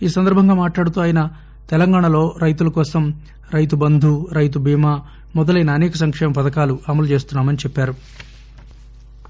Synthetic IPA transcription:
iːsɐnd̪ɐɾbʱɐŋɡaːmaːʈlaːɽut̪uːaːjɐnɐ | t̪ɛlɐŋɡaːɳɐlo̞ːɾɐjt̪̬ulɐkɔːsɐm | ɾɐjt̪̬ubɐnd̪ʱuɾɐjt̪̬ubʱiːmaː | mɔd̪ɐlɐjnɐːneːkɐsɐŋkʂɛːmɐpɐd̪ɐkaːluʔɐmɐlut͡ʃe̞ːst̪unːaːmɐnit͡ʃɛpːaːɾu

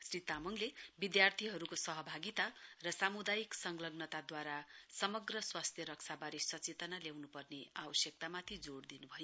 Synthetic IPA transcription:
srit̪amʌŋlebid̪jart̪ʰiɦʌɾukosʌɦʌbʱaɡit̪arʌsamud̪ajiksʌŋɡlʌɡnʌt̪ad̪waɾasʌmʌɡrʌswast̪ʰjʌɾʌksʰabaɾesʌt͡set̪ʌnaljawnupʌrneabʌsjʌk̚t̪amat̪ʰid͡zoɽd̪inubʱʌjo

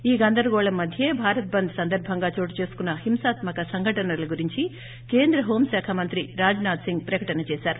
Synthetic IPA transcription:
iːɡɐnd̪ɐɾuɡɔːɭɐmːɐd̪ʱjeːbʱaːɾɐt̪̚bɐnd̪sɐnd̪ɐɾbʱɐŋɡaːt͡ʃoːʈit͡ʃe̞ːsu̥kunːɐhimsaːt̪mɐkɐsɐŋɡʱɐʈɐnɐlɐɡuɾiɲt͡ʃi | ke̞ːnd̪ɾɐɦoːmsaːkʰɐmɐnt̪ɾiɾaːd͡ʒnaːd̪siŋɡ̚pɾɐkɐʈɐnɐt͡ʃɛːsaːɾu

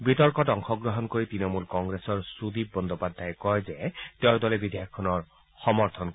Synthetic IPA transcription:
bitɔɹkɔtɔŋxɔɡɹɔɦɔnkoɹitɹinɔmulkɔŋɡɹesɔɹsud̪ip̚bɔnd̪ɔpad̪ʱːajkɔjzɛteʊɹdɔlɛbid̪eakʰːɔnɔɹ | xɔmɔɹt̪ʰɔnk

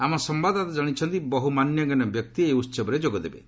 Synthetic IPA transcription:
amɔsɔmbad̪at̪ɔd͡ʒaɽ̃it͡ʃʰɔnt̪ibɔɦumanjɔɡinɔbjɔk̚t̪ieusɔbɔɾed͡ʒoɡɔd̪ebḛ

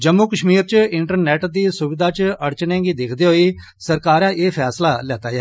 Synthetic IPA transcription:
d͡ʒəmːuːkəʃmiːɾt͡ʃɪɳʈəɾnɛːʈd̪iːsʊʋɪd̪ʱaːt͡ʃəɽt͡ʃnẽːɡiːd̪ɪkʰd̪eːɦoːiː | səɾkaːɾãːʔeːpʰɛːslaːlɛːt̪aːɛː

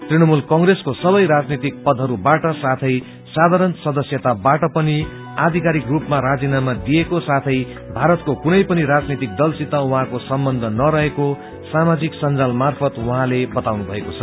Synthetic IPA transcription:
t̪rinʌmulkʌŋɡreskosʌbʌjɾad͡znit̪ik̚pʌd̪ʱɦʌɾubaʈʌsat̪ʰʌj | sad̪ʱaɾʌnsʌd̪ʌsjʌt̪abaʈʌpʌni | ad̪ʱikaɾikrupmaɾad͡zinamad̪ijekosat̪ʰʌj | bʱaɾʌt̪kokunʌjpʌniɾad͡znit̪ik̚d̪ʌlsit̪awuɦãkosʌmbʌnd̪ʱʌnʌɾʌɦeko | samad͡ziksʌnd͡zalmarpʰʌt̪wʌɦãlebʌt̪awnubʱʌekot͡sʰʌ

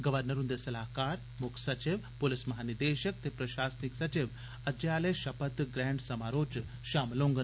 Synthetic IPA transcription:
ɡɐʋɐɾnɐɾund̪esɐlaːɦkaːɾ | mukʰsɐt͡ʃiʋpolismɐɦaːnid̪eːʃək̚t̪epɾɐʃaːsniksɐt͡ʃiʋ | ɐd͡ʒjaːlɐjʃɐpɐt̪ɡɾɛ̃ːɳɖsɐmaːɾoːt͡ʃ | ʃaːmloːŋɡə

